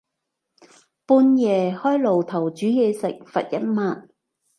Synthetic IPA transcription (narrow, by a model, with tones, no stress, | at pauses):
puː˧njɛː˨hɔː˥jlo˨˩wt̪ʰɐ˨˩wt͡ʃyː˨˥jɛː˧sɪ̰˨k̚fɐ̰˨t̚jɐ˥t̚maː˧˨t̚